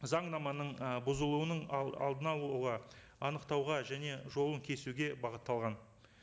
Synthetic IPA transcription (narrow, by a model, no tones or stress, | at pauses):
zɑɴnɑmɑnəɴbʊzəlˠuwənəɴɑ̰lˠd̪ənɑlˠuʁɑ | ɑnəqt̪ɑwʁɑʒæne̞ʒo̞lˠəŋkʲʰe̞suɡʲe̞bɑʁət̪ːɑlˠʁɑn